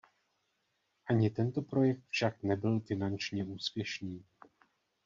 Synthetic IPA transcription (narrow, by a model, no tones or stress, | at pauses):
ʔaɲɪt̪ɛnt̪o̞pɾo̞jɛk̚t̪fʃaknɛbɪlfɪnant͡ʃɲɛʔuːspjɛʃniː